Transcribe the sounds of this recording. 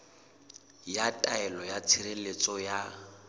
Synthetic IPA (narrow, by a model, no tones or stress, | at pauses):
jatʼaɛlɔjat͡sʰiɾelet͡sʼɔja